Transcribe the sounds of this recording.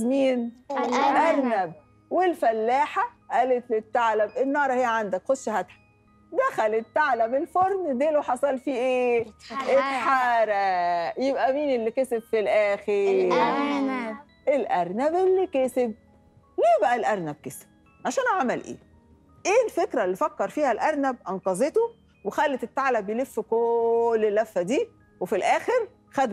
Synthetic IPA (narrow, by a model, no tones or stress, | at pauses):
miːn | ʔæɾˤnæb̚ | welfælːaːħa | ʔæːlet̪let̪ːaʕlæmʔenːɑːɾˤɑhejːæʕand̪ækxoʃʃhæt̪ħḁ | d̪æxælet̪ːaʕlæmelfoɾˤnd̪eːloħɑsˤɑlfiːʔeːʔet̪ħaːɾæjebʔæmiːnelːikesebfilʔæːxeɾ | ʔelʔæɾˤnæbelːikeseb̚ | liːbæʔælʔæɾˤnæb̚kesb̥̚ | ʕaʃæːnʕamælʔḛː | ʔeːlfekɾælːifækːɑɾˤfiːhælʔæɾˤnæb̚ʔɑnqɑzˤet̪o | wexælːet̪et̪ːaʕlæbjelefːkolːelːæfːæd̪iː | wefilʔæːxeɾ | xæd̪